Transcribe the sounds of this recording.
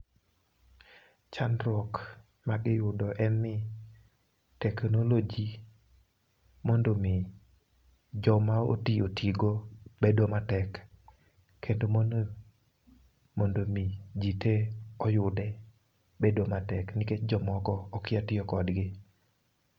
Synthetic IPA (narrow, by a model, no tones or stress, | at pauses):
t͡ʃanɾwɔk | maɡɪjʊdɔʔɛnːɪ | tɛknolod͡ʒi | mondomɪ | d͡ʒɔmao̰tiotʰiɡobedomatɛkːʰ | endomon | mondomid͡ʒiteɔjʊdɛ | bedomatɛknɪket͡ʃd͡ʒɔmɔkɔːkɪatɪɔkɔdɡɪ